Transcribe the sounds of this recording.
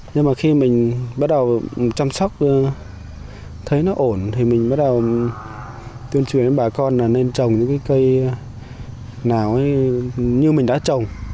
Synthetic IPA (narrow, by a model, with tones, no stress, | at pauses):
ɲɨ˧ŋmaː˨˩xi˧mï˨˩ŋ̟ɓaː˦˥t̚ɗə˨˩wt͡ɕa˧msɔ˦˥wk͡p̚ː | t̪ʰə˨˦jnɔ˨˦ʔo˧˩nt̪ʰi˨˩mï˨˩ŋ̟ɓaː˦˥t̚ɗə˨˩w | t̪wi˧ənt͡ɕwi˨˩˨ne˧˦ɓaː˨˩kɔ˧nlaː˨˩ne˧nt͡ɕə˨˩wŋ͡mɲɨ̰˧˥ŋkaː˨˦jkə˧j | naː˨˩wʔə˨˦ɲɨ˧mï˨˩ŋ̟ɗa̰ː˧˥t͡ɕə˨˩wŋ͡m